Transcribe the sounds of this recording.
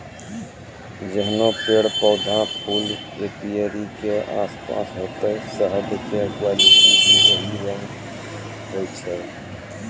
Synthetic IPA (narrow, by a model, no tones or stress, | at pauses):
d͡ʒəɦnõpeːɽpɔːd̪ʱãpʰuːl | eːpijeɾikeʔa̰ːspa̰ːsɦoːt̪esəɦəd̪kekwaːlɪʈibʱiɦoːiɾɛ̃n | ɡoit͡ʃʰɛː